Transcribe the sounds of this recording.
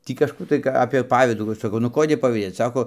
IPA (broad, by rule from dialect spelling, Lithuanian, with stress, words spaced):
ˈtʲiː kɐʃˈkuː tɐɪ kɐ ɐpʲeː ˈpɑːʋʲiːduː ˈʋɐ sɐˈkɐʊ nʊ ˈkoːdʲeː pɐʋʲiːˈdʲeːt͡s ˈsɑːkoː